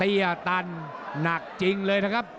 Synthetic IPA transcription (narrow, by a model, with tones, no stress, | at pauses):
i˧ə˨˩t̪aː˧nːaː˨˩k̚t͡ɕi˧ŋləː˧jt̪a˧˩ka˦˥p̚